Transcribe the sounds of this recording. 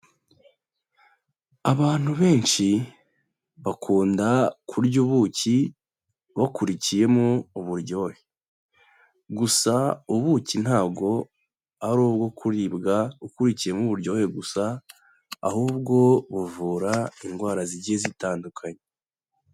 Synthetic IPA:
aβaːn̥uβe̞ːnʃi | βakʰuːndakʰuɾɟuβuci | βakuɾicije̞moːβuɾɟo̞he | ɡusauβuːcin̥haːbɡo̞ | aɾoːβɡo̞kʰuɾibɡaukuɾicije̞muβuɾɟoheɡusa̰ː | huːbɡo̞βuvuːɾaiŋɡwaːɾaziɟiezitaːndukʰaɲe

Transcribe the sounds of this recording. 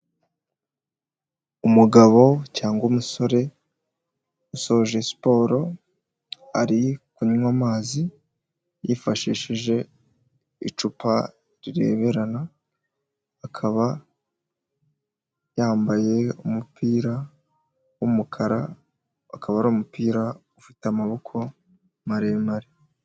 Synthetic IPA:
umuɡaβo̞caːŋɡomuso̞ɾe̞ | usooʒesi̥po̞ːɾo̞ | aɾikuɲmwamaːzi | jifaʃiːʃiʒe̞ | it͡ʃupa | ɾiɾe̞̰ːβe̞ɾana | kʰaβa | jaːmbaje̞umupiːɾa | wumukʰaɾa | akʰaβaɾuːmupiːɾa | ufitamaβo̞kʰo̞ | maɾemaɾe

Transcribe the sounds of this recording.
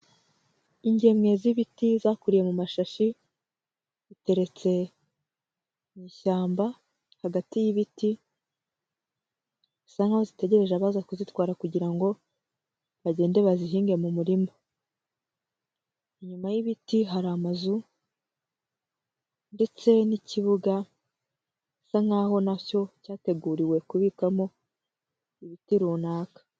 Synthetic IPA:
iɲɟe̞mŋe̞ziβitizaːkuɾije̞mumaʃaʃi | zite̞ɾe̞t͡se̞ | miːʃaːmba | haɡatijiβiti | isaŋɡaozite̞ɟe̞ɾe̞ʒaβaːzakuzitwaːɾakuɟiɾaŋɡo̞ | βaɟe̞ːnde̞βaziɦiːŋɡe̞mumuɾimo | ɲumajiβitiɦaɾaːmazu | nde̞t͡se̞niciβuɡa | saŋaːɦo̞naco̞caːte̞ɡuːɾiwe̞kuβiːkamo̞ | iβitiɾuːnaːkḁ

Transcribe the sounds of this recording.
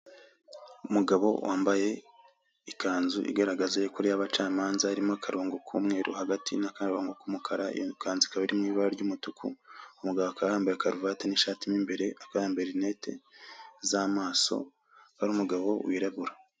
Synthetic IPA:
umuɡaβo̞̰wʔaːmbaje̞ | ikaːnzuʔḭɡaɾaɡazejokoɾijaβat͡ʃaːmaːnzaːɾimoakʰaɾoːŋɡokʰṵːmŋe̞ːɾo̰haɡatʰḭnakaoːŋɡokumukʰaɾa̰kaːnzikaβiɾimŋiːβaɾaɾɟumutukʰṵumuɡaβoakaɾaːmbeakaɾuvateniʃaːtimimbe̞ɾe̞akaɾaːmbeɾine̞ːtʰe̞̰zamaːso̞̰ | haɾumuɡaβo̞̰wiːɾaβuɾa

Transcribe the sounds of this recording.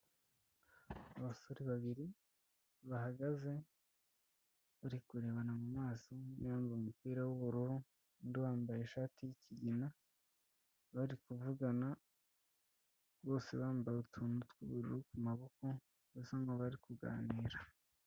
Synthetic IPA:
aβaso̞ɾiβaβiɾi | βahaɡaze̞ | βaɾikuɾe̞ːβanamumaːsoniβaːmvaumupiːɾawuβuɾuɾu | ndiβaːmbajeʃaːtijicʰiɟina | βaɾikuvuɡana | ɡo̞ːse̞̰βaːmbajeutʰuːnutkuβuɾuɾukumaβoko̞ | asaŋɡoβaɾikuɡa̰ːniːɾa

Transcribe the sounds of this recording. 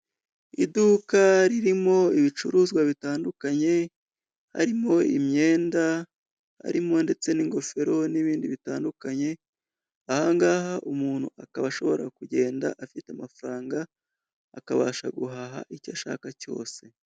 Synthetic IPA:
ḭdukaɾiɾimo̞iβit͡ʃuɾuːzɡwaβitaːndukaɲe̞ | ha̰ɾimo̞ḭmɲe̞ːnda | ha̰ɾimo̞nde̞t͡se̞niːŋɡo̞fe̞ɾo̞niβiːndiβitaːndukaɲe̞ | ahaŋɡaːhaʔumuːn̥hṵakaβaʃo̞βo̞ɾakuɟe̞ːnda̰ʔafiteamafɾaːŋɡaː | kaβaːʃaɡuɦaɦa̰ʔicaʃa̰ːkaco̞̰ːse̞

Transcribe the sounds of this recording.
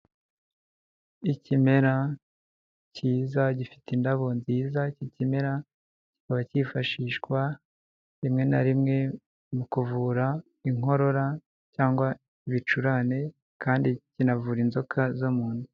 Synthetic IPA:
icime̞ɾa | ciːzaɟifi̥tindaβo̞nziːzacicime̞ɾa | ci̥kaβacifaʃiːʃkwa | ɾimŋe̞naɾimŋe̞ | mukuvuːɾa | iŋ̥o̞ɾo̞ɾa | caːŋɡwa | iβit͡ʃuɾane̞ | kʰaːndicinavuːɾinzo̞kʰazomuːndu

